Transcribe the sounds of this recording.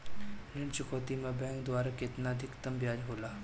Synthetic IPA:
ɾɪ̃ɳt͡ʃʊkʰoːt̪imẽbɛ̃ːŋk̚d̪waːɾakeɪt̪naəd̪ʱɪkt̪əmbjaːd͡ʒɦoːlaː

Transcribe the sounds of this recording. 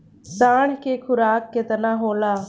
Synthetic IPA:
saːɳ̤keːkʰʊɾaːkːɪt̪nãɦoːlaː

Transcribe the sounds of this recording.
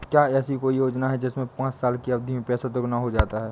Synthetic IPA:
kjaːɛːsikoːijoːd͡ʒnaɦɛd͡ʒɪsmẽpãːt͡ʃsaːlkiɐʋd̪ʱimẽpɛːsat̪ʊɡnaɦod͡ʒaːt̪aɦɛː

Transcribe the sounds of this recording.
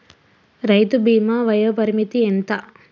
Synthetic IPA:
ɾɐjt̪ubiːmɐʋɐjɐpɐɾimit̪ient̪ɐ

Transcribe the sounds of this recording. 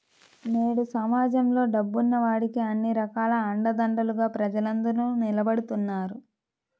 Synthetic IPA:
ne̞ːɽusɐmaːd͡ʒɐmlo̞ːɖɐbːunːɐʋaːɽikiɐnːiɾɐkaːlɐːɳɖɐd̪ɐɳɖɐluɡaːpɾɐd͡ʒɐlɐnd̪ɐɾnunilɐbɐɽut̪unːaːɾu

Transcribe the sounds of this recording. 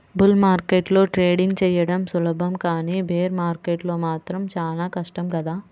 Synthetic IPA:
bulmaːɾkeːʈlo̞ːʈɾeːɽiŋɡt͡ʃɛːjɐɽɐmsulɐbʱɐmkaːniːbʱeːɾmaːɾkeːʈlo̞ːmaːt̪ɾɐmt͡ʃaːlaːkɐʂʈɐmkɐd̪aː

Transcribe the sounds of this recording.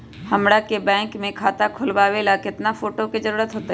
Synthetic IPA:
hɐmɽakebɛ̃ːŋkmẽkʰaːt̪akʰʊlbaːʋelakɪt̪nafoːʈokizɐɾuːɾət̪ɦoːt̪a

